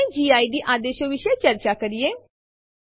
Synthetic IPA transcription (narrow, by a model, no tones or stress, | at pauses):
ẽd͡ʒiːaːiɖiʔaːd̪eːʃəʋɪʃəet͡ʃɐɾt͡ʃakɐɾijeː